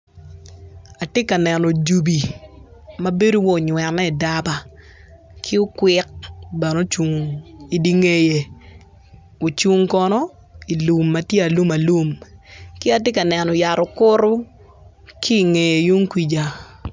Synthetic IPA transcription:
a˨tɪ˦ka˨nɛ˨nɔ˨d͡ʒu˨bi˨ | ma˦be˦do˦wɔ˦˨ɲwɛ˨nːɛ˦i˨da˦ba˨ | kʰɪ˦ʊ˦kwɪ˦k̚bɛ˨no˦t͡ʃu˨ŋi˨di˨ŋe˨je˨ | o˨t͡ʃu˦ŋkɔ˦nɔ˦ | i˨lu˨mːa˦tje˦a˨lu˦ma˨lu˦mkɪ˦a˦te˦ka˨nɛ˨nɔ˨ja˨ɾʊ˨kʊ˦ɾʊ˦ | kʰiː˦˨ŋe˨je˨ju˦ŋkwʷi˨d͡ʒa˨

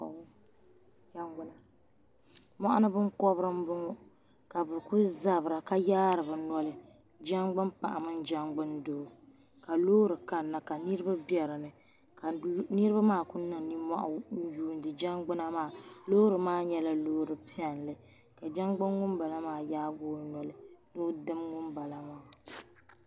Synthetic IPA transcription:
d͡ʒa˦ŋɡʊ˨la˨ | mɔ˦ʔa˦nɨ˦bɨ˦ŋkɔ˦bɾɨ˦m˦bɨ˦ŋo˦ | ka˨bɨ˨ku˦za˨bɨ˨ɾa˨ka˦jaː˦ɾɨ˨bɨ˨nɔ˦lɨ˦ | d͡ʒa˦ŋɡ͡bɨ˦mpa̰˨ʔa̰˨mɨ˦nd͡ʒa˦ŋɡ͡bɨ˦ndo˨ | ka˨loː˦ɾɨ˨ka˨nːa˨ka˨nɨ˦ɾɨ˦ba˦bjɛ˨ɾɨ˨nɨ˨ | ka˨nɨ˦ɾɨ˦ba˦maː˦˨ku˦nɨ˨ŋni˦ma̰˦ʔa˨n̩˦juː˦n˦dɨ˨d͡ʒa˦ŋɡ͡bɨ˦na˦maː˦˨lo˦ɾɨ˨maː˦ɲɛ˦la˦loː˦ɾɨ˨pi˦ɛ˨nlɨ˨ | ka˨d͡ʒa˦ŋɡ͡bɨ˦nŋʊ˦mba˨la˦maː˦˨jaː˦ɡoː˦nɔ˨lɨ˦no˦dɨ˦mŋʊ˦mba˨la˨ma˦

